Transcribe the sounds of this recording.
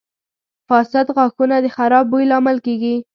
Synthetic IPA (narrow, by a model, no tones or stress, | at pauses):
fɑsad̪ɣɑxunad̪əxaɾɑbːujlɑmalkeɡi